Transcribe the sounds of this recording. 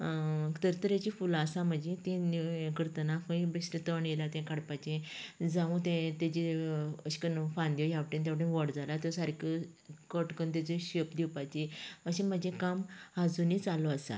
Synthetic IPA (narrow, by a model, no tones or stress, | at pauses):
t̪əɾt̪əɾjat͡ɕifulasãm̤əd͡ʑẽt̪ĩnikəɾt̪ənakə̃ibesɾət̪əɳjelat̪ãkaɽpat͡ɕẽd͡zaʋũt̪ẽt̪ed͡ʑiəɕi̥kənfãnd̪jɔjawʈĩnt̪jaʋʈə̃nʋəɽd͡zalat̪ɔsaɾkəkəʈkənt̪̬ed͡ʑẽɕepd̪iwpat͡ɕeəɕẽm̤əd͡ʑẽkamad͡zunĩt͡salɔasa̰